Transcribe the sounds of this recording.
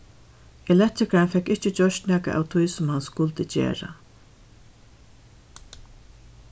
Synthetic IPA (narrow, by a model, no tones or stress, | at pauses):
ɛlɛht̪ɾɪkanfɛkːɪht͡ʃɪt͡ɕœʃt̪næːkaʔa̰wt̪ʰujsʊmhanskʊlt̪ət͡ɕḛːɹa̰